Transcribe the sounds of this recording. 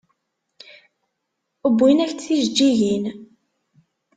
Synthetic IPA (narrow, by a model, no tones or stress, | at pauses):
əbːinæçt͡sθiʒd͡ʒːiʝin